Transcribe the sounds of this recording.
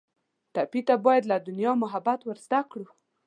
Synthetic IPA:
t̪apit̪abɑjad̪lad̪ʊnjɑmʊɦabat̪wəɾzd̪akɽu

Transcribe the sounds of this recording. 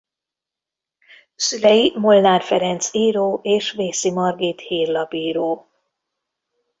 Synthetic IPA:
sylɛjimolnaːrfɛɾɛnt̪siːɾoːʔeːʃveːsimɒrɡiːt̪hiːrlɒbiːɾoː

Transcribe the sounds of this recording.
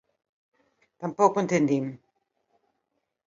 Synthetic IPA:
t̪ampokoẽnt̪end̪im

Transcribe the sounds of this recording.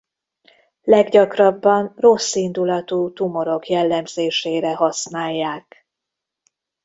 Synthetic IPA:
lɛɡɟɒkrɒbːɒnro̞sːind̪ulɒt̪uːt̪umo̞ɾo̞kjɛlːɛmz̥eːʃeːɾɛɦɒsnaːjːaːk

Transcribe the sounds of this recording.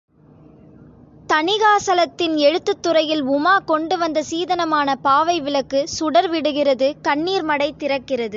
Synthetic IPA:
t̪ɐɳɪɣaːsɐlɐt̪ːɪnɛɻɯt̪ːɯt̪ːʊrɐjɪlʊmaːkɔɳɖɯʋɐnd̪ɐsiːðɐnɐmaːnɐpaːʋɐɪʋɪɭɐkːɯsʊɽɐɾʋɪɽɯɣɪrɐðɯkɐɳːiːɾmɐɽɐɪt̪ːɪrɐkːɪrɐðɯ

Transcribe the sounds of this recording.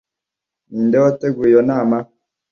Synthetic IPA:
niːndewoteɡujonaːma

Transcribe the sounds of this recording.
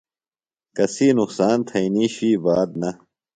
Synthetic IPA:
kɐsiːnuksaːnt̪ʰɐiniːɕiːbaːd̪̚nɐ

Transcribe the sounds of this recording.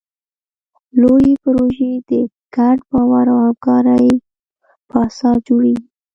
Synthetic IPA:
lojepəɾoʒed̪ə | ɡ̥aɖbɑwaɾawhamkɑɾaj | pɑsɑd͡ʒoɽiɡi

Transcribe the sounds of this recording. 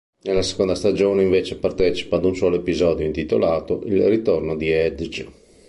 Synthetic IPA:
nelːase̥kond̪ast̪ad͡ʒoːneiɱveːt͡ʃepart̪ɛːt͡ʃi̥paːd̪unswɔːloepizɔːd̪joint̪it̪o̰laːt̪oʔilrit̪ornod̪iɛd̪d͡ʒ

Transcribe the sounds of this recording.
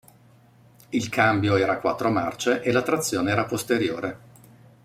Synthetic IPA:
ilkʰambjoɛːɾakwa̰t̪ːɾomart͡ʃeʔelat̪ːɾat̪sːjoːneɛːɾapost̪eɾjoːɾe

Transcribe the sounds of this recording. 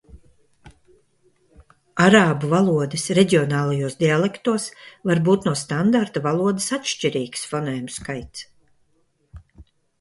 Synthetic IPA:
aɾaːbuvalˠuɔd̪ɛsɾɛɟʲiɔnaːlˠajuɔsd̪ʲialˠɛkt̪uɔsvaɾbuːt̪nuɔst̪and̪aɾt̪avalˠuɔd̪ɪsatʃt͡ʃiɾiːɡ̥sfɔnɛːjumskajt̪s

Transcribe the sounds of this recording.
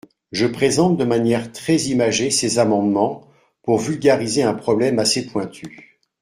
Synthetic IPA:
ʒəpχezɑ̃t̪̚d̪əmanjɛʁt̪χɛzimaʒesezamɑ̃d̪mɑ̃ | puʁvylɡʲaʁizeɛ̃pχɔblɛmasepwɛ̃t̪ʰy

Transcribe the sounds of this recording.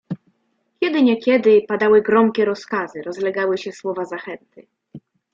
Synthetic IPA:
kʲjɛd̪ɘɲɛkʲɛd̪ɘpad̪awɘɡɾɔmkʲɛɾɔskazɘɾɔzlɛɡawɘɕɛswɔvazaxɛnt̪ɘ

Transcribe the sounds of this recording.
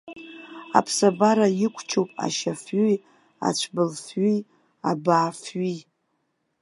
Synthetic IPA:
a̰pʰsabaɾajɪkʷʰt͡ʃʰowpʼa̰ʃafɥi | a̰t͡ʃʷʰbɨlfɥi | abaːfɥi

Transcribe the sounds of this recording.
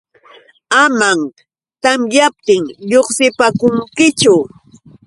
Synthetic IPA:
amaŋ | t̪amjap̚t̪ɪŋʎoχsɪpakʊŋkɪt͡ʃʊ

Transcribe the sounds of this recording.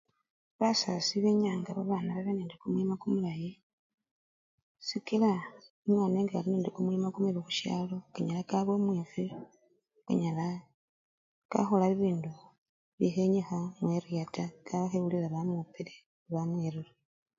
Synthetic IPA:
βasasiβeɲaːŋɡaβaβaːnaβaβeneːndekomwimakumulaji | sikilaimwaːneːŋɡaalineːndekomwimakumweβixu̥ʃja̰ːlo̞kaɲalakaβwo̞mweːfi | ka̰ɲala | ka̰xolaβiβiːndu | βjixeɲexamweɾjataɡaβaxeβuliɾaβamupeɾe | βaneɾula

